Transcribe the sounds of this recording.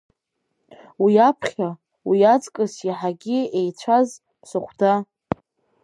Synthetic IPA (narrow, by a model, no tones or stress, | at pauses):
wiapʰχʲa | wijat͡skʼɨsiħaɡʲɪejt͡ɕʷʰaz | sɨχʷda